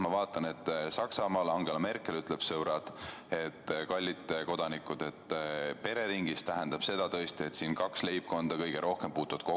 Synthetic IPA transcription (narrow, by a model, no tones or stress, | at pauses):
mɑvɑːt̪ˑːɑne̞t̪ːˑsɑksɑmɑːlɑŋɡ̥e̞lɑme̞rkˑe̞lyt̪ˑleb̥sɤɾɑd̪e̞t̪ːkɑlʲːit̪ːeko̞d̪̥ɑnikˑud̪̥et̪ːpe̞ɾe̞ɾiŋɡist̪æɦend̪̥ɑb̥se̞d̪̥ɑt̪ɤest̪ie̞t̪siːnkɑksle̞jb̚ko̞nd̪̥ɑkɤ̞jɡ̥e̞ɾo̞hkempuːt̪uvɑd̪̥̚ko